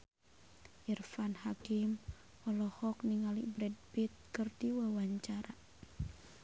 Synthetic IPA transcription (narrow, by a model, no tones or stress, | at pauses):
ʔirfanhakim | ɔlɔhɔk̚niŋalibɾɛd̚bit̪̚kɨrd̪iwawaɲt͡ʃaɾa